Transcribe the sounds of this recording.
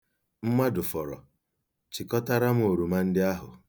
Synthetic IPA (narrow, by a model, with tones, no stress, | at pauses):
m̩˦mʷa˦dʊ˨fɔ˨ɾɔ̰˨ | t͡ʃi˨kɔ˦ta˦ɾa˦m̩˦o˨ɾu˨ma˦n̩˦dɪ˦a˦ɦʊ̰˨